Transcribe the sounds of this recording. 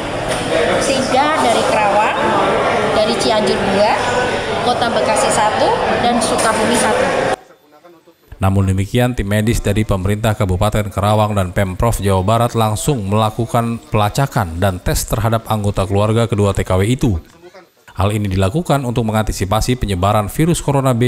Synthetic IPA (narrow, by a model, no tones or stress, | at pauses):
sid͡ʒadaɾikəɾawaŋdaɾit͡ʃiaɲd͡ʒʊrduakot̪abəkasisat̪udansukabumiɦat̪ | namʊndəmikiant̪imːedɪsdaɾipəməɾint̪ahkabupat̪ɛnkəɾawaŋdanpɛmpɾɔfd͡ʒawabaɾat̪laŋsʊŋməlakukanpəlat͡ʃakandant̪ɛst̪ərɦadap̚aŋɡot̪akəluarɡakəduat̪ekaweit̪u | halinidilakukanunt̪ʊk̚məŋant̪isipasipəɲəbaɾanfiɾʊskoɾonabe